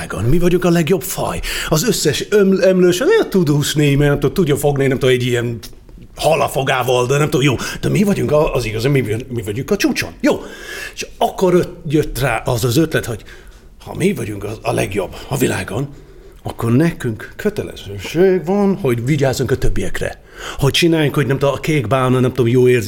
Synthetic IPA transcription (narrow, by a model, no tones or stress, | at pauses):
ɡo̰nmivɒɟuŋkɒlɛɡjo̞bfɒ̰jɒzøsːɛʃømɛmløːʃɛnɛɒt̪ud̪oːʃneːjmɛnɛmt̪ot̪ud̪ːofo̞ɡninɛmt̪oːmɛɟːiɛn | hɒlɒfo̞ɡaːvɒld̪ɛnɛmt̪ojoːd̪̥ɛmivɒɟuŋkɒːziɡɒzamminmivɒɟuŋkɒt͡ʃuːt͡ʃo̰njoːeʃɒkːoɾjøt̪ːraːʔɒzɒzøt̪lɛt̪ho̞ɟ̥ | hɒ̰mivɒɟuŋkɒɒlɛ̰ɡjo̞bːɒvila̰ːɡon | ɒkːo̞rnɛkyŋkkʰːøt̪ɛlɛ̰z̥øːʃøːvɒnho̞ɟviɟaːzuŋkɒt̪øbːijɛkrɛ̰ | ho̞c̚t͡ʃinaːjuŋkhoɟnɛmt̪omɒkeːɡbaːnɒnɛmt̪oːmjoːeːrz